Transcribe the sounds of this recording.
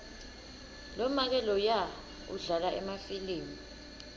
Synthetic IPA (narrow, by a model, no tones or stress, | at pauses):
lɔmak̬ɛlɔja | ṵɮalaʔɛmafiliːmi